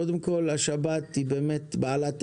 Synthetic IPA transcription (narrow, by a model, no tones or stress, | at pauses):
od̪emko̞laʃabat̪ibeːmet̪baalat̪